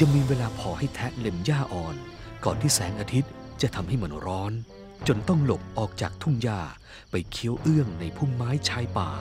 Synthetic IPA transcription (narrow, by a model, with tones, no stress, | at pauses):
ja˧ŋmiː˧weː˧laː˧pʰɔː˨˩˦ha˥˩jt̪ʰɛ˦˥le˧mjaː˥˩ʔɔː˨˩n | kɔː˨˩nt̪ʰiː˥˩sɛː˩˦ŋʔaː˧t̪ʰi˦˥t̪̚ | t͡ɕa˨˩t̪ʰa˧mha˥˩jma˧nɾɔː˦˥n | t͡ɕo˧nt̪ɔ˥˩ŋlo˨˩p̚ʔɔː˨˩k̚t͡ɕaː˨˩k̚t̪ʰu˥˩ŋjaː˥˩ | pa˧jkʰi˦˥əwʔɯ˥˩əŋna˧jpʰu˥˩mːaː˦˥jt͡ɕʰaː˧˥jpa̰ː˨˩